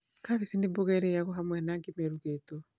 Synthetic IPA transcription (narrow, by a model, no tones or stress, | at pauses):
kaɣesindemboɣɛɾɛjaɣɔɦamwɛnaːŋɡemɛɾuɣeto